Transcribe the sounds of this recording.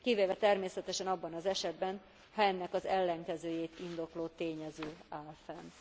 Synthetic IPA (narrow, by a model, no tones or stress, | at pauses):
kiveːvɛt̪ɛrmeːsɛt̪ɛʃɛnɒbːɒnɒzɛʃɛd̪bɛn | hɒɛnːɛkɒzɛlːɛŋkɛzøːjeːt̪ind̪o̞kloːt̪eːɲɛzøːaːlfɛn